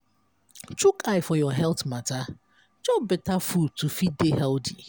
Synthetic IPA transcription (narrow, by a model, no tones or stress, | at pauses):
t͡ʃukʰaɪfɔjɔɦɛltmata | d͡ʒɔbɪtafud̚tufidehɛldi